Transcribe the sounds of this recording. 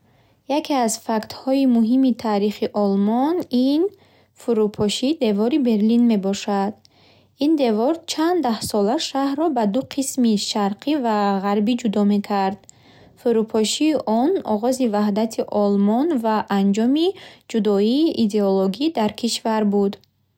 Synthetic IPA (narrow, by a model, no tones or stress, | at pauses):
jakʰiazfakt̪hɔimuɦimit̪ʰaːɾiχiʔɔlmɔnin | fuɾupʰɔʃid̪e̞vɔɾibe̞ɾlinme̞bɔʃad̪ | ind̪e̞vɔɾt͡ʃʰand̪d̪ahsɔlaʃahɾɔbad̪uqʰismiʃaɾqʰivaʁaɾbid͡ʒud̪ɔme̞kʰaɾd̪ | fuɾupʰɔʃiːʔɔnɔʁɔzivaɦd̪at̪ʰiʔɔlmɔnvaʔand͡ʒɔmid͡ʒud̪ɔiːʔid̪e̞oloɡid̪aɾkʰiʃvaɾbud̪